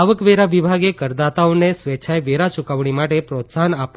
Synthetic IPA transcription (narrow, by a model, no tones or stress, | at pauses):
aʋəkʋeɾaʋibʱaɡekəɾd̪at̪aonesʋet͡ʃʰajʋeɾat͡ʃukəʋɳ̃imaʈepɾot̪sanap